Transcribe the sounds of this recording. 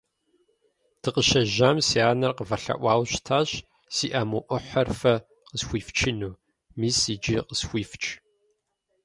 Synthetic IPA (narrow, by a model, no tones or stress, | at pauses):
tʰɨqəʃɐʒamsiaːnɐrqəvɐɬɐ̰ʔʷɑːwɕtʰaːɕ | siːʔɐmuʔʷʊħɐrfɐ | qəsxʷiːft͡ʃʰɪnuː | miːsiːd͡ʒiːqəsxʷiːft͡ʃʰʼ